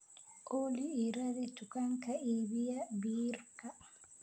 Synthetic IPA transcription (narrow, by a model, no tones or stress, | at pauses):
ʔoliːɾaðitukaŋkaibijabiɾka